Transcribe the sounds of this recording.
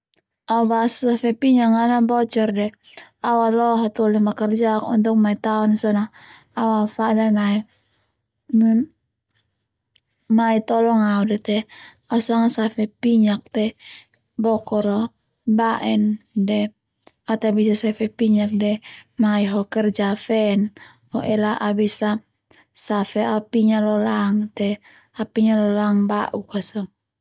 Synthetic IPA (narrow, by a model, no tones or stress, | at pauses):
aubassafɛpiɲaŋanabɔt͡ʃɔrdɛ | awalɔɦɔt̪ɔlimakərd͡ʒakɔ̰nt̪ɔŋ̚mait̪aɔnsɔna | awafadamai | nn | mait̪ɔlɔŋaudɛt̪ɛ | ausaŋasafɛpiɲak̚t̪ɛ | bɔkɔɾɔ | baʔɛndɛ | at̪ɛabisasafɛpiɲak̚dɛmaiɦɔkərd͡ʒafɛn | hɔʔɛlaʔabisa | safɛapiɲalɔlaŋt̪ɛ | apiɲalɔlaŋbaʔukasɔ